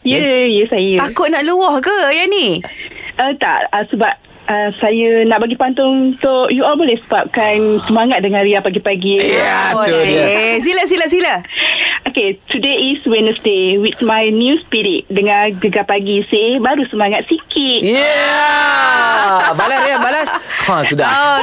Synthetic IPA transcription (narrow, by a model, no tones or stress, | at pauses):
jəjəsajəakʊʔ̚naʔluɔhkəjani | ət̪a̰ʔəsəbap̚ | əsajənaʔbaɡipant̪ʊŋunt̪oʔjuɔlbolɛhsəbap̚kansəmaŋat̪̚dəŋãnɾiapaɡipaɡi | s̬ilas̬ilas̬ila | oket̪udeiswɛ̃nəstewit̪̚majnjuspiɾit̪̚dəŋãɡəɡapaɡisebaɾusəmaŋat̪̚sikʰitja | balasɾiabalasasuda